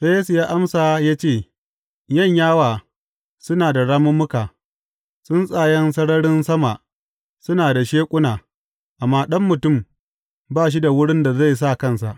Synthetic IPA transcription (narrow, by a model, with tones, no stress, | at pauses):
ɸe˦je˦su˨jaː˦ʔa˦msaː˨jaː˦t͡ʃeː˦˨ | jɐ˦˨ɲjaː˦waː˨ | sʊ˦naː˨da˨ɽaː˦mʊ˦mːʊ˦kaː˨ | sʊ˦nsʼaː˨jɛ˦ns̬ɐ˦ɽɐ˦ɽɪ˦nsɐ˦ma˨ | sʊ˦naː˨da˨ʃeː˦kʷʼʊ˦naː˨ | ʔa˨mːaː˦ɗɐ˦mːʊ˨tʊ˦˨m | baː˦˨ʃ̬i˦da˨wʊ˦ɽɪ˦nda˨za˦˨js̬a˦˨kɐ˦˨nsa̰˨ʔ